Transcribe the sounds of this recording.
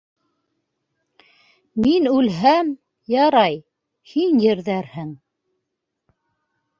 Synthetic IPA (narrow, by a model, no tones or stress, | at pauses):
minʉlɦæm | jɑɾɑj | hinjɘ̆ɾðæɾhɘŋ